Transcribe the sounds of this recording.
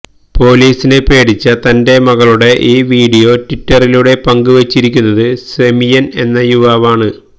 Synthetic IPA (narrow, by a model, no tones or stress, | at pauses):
po̞ːliːsine̞pe̞ːɽit͡ɕːɐt̪ɐnde̞mɐɣɐɭuɽe̞ʔiːʋiːɽijo̞titːɐriluɽe̞pɐŋɡɨʋɐt͡ɕːiɾik̬ʲːunːɐðɨsemijɐne̞nːɐjuʋaːʋaːɳɨ